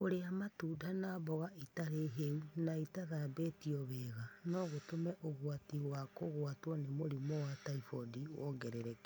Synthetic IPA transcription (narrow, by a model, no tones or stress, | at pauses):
oɾeamatuːdanaːβɔɣaʔitaɾeɦeunaitaðabetiɔβɛːɣanɔɣotomɛʔoɣwatiwakoɣwatwɔnemoɾimɔwataifɔdiwɔŋɡɛɾɛɾɛk